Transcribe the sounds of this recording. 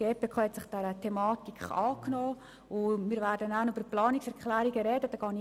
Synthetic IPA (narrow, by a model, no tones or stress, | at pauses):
ɡ̥eːpeːkʰɑːhɛtsɪχd̥ɛɾətʰemɑːtikχɑːknɔː | ʊmiːɾʋæːɾdənænybəplɑːniksɛɾkχlæːɾiɡəɾɛdədɑːɡ̥ɑːn